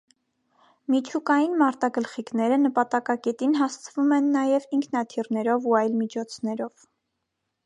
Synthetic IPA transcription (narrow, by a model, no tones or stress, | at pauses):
mit͡ʃʰukɑjinmɑɾt̪ɑɡəlχiknɛɾənəpɑt̪ɑkɑkɛt̪inɦɑst͡sʰəvumɛnːɑjɛviŋkʰnɑt̪ʰirnɛɾɔvuɑjlmit͡ʃʰɔt͡sʰnɛɾɔv